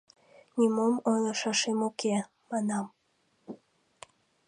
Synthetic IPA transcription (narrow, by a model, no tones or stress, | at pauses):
nʲimomonoʃɑʃemoke | mɑnɑm